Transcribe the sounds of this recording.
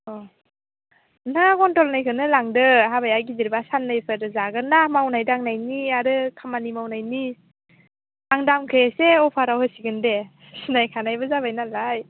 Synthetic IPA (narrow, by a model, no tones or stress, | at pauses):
ɔ | naɡɔntɔlnajkʰɯnɯlaŋdɯɦabajaɡiziɾbasanːajpʰɯɾɯzaɡɯnamawnajdaŋnajniaɾɯkʰamanimawnajni | aŋdamkʰɯjeseɔpʰaɾawhɯsiɡɯnde | sinajkʰanajbɯzabajnalaj